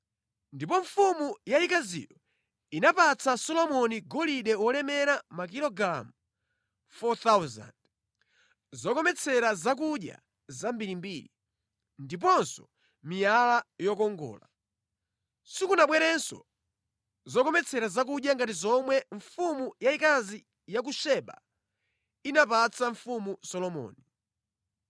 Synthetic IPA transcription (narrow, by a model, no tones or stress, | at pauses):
ndipɔɱfumujaikazḭːɾɔ | inapat͡sʰasɔlɔmɔniɡɔliɗɛwɔlɛmɛɾamak̬ilɔɡɾamu | fɔt̪awza̰nd | zɔkɔmɛt͡sʰɛɾazak̬uɗja̰ | zambiɾimbiːɾi | ndip̬ɔnsɔ | mijalajɔkɔŋɡɔ̰ːla | sikunaɓwɛɾɛnsɔ̰ | zɔkɔmɛt͡sʰɛɾazak̬uɗjaŋɡatizɔmwɛɱfumujaikazi | jak̬uʃɛɓa̰ | inapat͡sʰaɱfumusɔlɔmɔ̰ːni